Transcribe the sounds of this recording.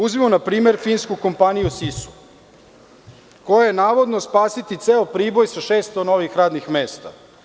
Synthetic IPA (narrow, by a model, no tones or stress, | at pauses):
uzimonapɾiːme̞ɾfiːnskuko̞mpanijusisu̥ | ko̞jajenaːʋo̞d̪nospaːsit̪it̪seːopɾiːbo̞jsaʃeːst̪ono̞ʋixɾaːd̪nixmeːst̪a̰